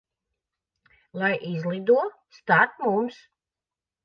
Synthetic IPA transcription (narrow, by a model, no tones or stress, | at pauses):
lˠajʔizlˠid̪uɔ | st̪at̪mums